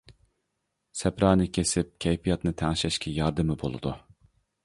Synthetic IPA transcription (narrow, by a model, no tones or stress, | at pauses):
sɛpɾɑːnɨkʲʰesɪp̚kʲʰɛjpijɑt̪nɨt̪ʰɛŋʃɛʃkʲʰɛjɑɾd̪ɨmɨbo̰lˠṵd̪u